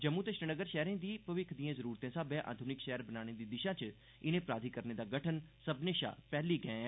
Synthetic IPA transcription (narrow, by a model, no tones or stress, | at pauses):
d͡ʒəmuːt̪əʃɾənəɡəɾʃɛːɾẽːd̪iːpəʋɪkʰd̪iːãːzəɾuːɾt̪ẽːsaːbẽːʔa̰ːd̪ʱʊnɪkʃɛːəɾbənaːɽ̃eːd̪iːd̪ɪʃãːt͡ʃ | ɪnẽːpɾaːd̪ʱiːkəɾneːd̪aːɡəʈʰənsəbneːʃa̰ːpɛːliːɡɛ̃ː